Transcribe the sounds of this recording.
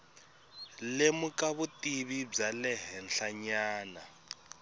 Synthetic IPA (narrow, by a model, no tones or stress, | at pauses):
lemukaβutiβib͡ʐalɛɦɛnɬaɲaːna